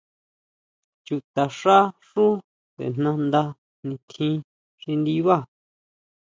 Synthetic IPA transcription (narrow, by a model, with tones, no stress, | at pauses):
t͡ʃu˧t̪a˨ʂa˦ʂũ˦ | t̪ḛ˨n̥nã˧nd̪a˧ | nĩ˧t̪ʰĩ˦ | ʂĩ˧nd̪i˧βa˦˨